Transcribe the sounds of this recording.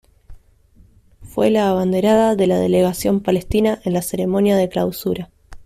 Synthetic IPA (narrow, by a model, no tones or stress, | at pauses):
fwelaːβand̪e̞ɾaðaðe̞laðḛleɣasjo̞mpale̞st̪inaʔe̞nlaseɾe̞mo̞njaðe̞klawsuɾa